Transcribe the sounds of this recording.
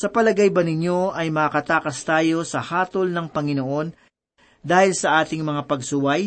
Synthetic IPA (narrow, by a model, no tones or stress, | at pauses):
sɐpɐlɐɡajbɐnɪɲjo̞ʔɐjmɐkɐkɐt̪aːkɐst̪aːjo̞sɐhaːt̪olnɐŋpɐŋɪnoʔo̞n | d̪aːhɪlsɐʔaːt̪ɪŋmɐŋapɐɡsʊwaj